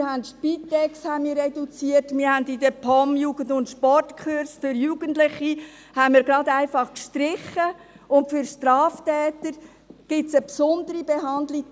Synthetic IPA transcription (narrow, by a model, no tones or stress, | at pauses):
hæntʃpitːɛkshænmiːɾːɛdut͡siətmɪːɾhændid̪əpʰɔmjuːɡ̥əndʊntʃpɔrtkʰχøɾsfʏɾjuːɡ̥əntlɪχi | hænmiːɾɡɾɑdæɪfɑχkʃtɾɪχə | ʊntfʏɾʃtɾɑːftɛːt̪əɾ | ɡ̥ɪtsəpsʊnd̪əɾibeɦɑndli